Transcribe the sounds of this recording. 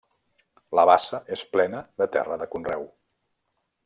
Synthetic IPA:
ləβasəʔesplɛnəðət̪ɛ̰rəðəkunrɛw

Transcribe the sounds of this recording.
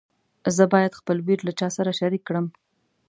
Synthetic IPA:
zəbɑjad̪xpəlwiɾlat͡ʃɑsaɾaʃaɾikːɽəm

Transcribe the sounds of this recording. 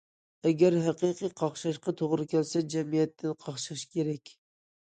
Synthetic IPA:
æɡʲæɾɦæqɨqʰɨjqʰɑχʃɑʃqɑt̪ʰoʁɾɨkʲælsɛd͡ʒɛmijɛt̪ʰːɪnqʰɑχʃɨɾɨʃkʲʰeɾɛkʲ

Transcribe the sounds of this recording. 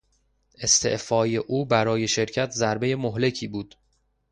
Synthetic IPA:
ʔe̞st̪ʰe̞̰ʔfɒːje̞ʔuːbæɾɒːje̞ʃe̞ɾcʰæt̪ʰzæɾbe̞je̞moɦle̞cʰiːbuːd̪̥

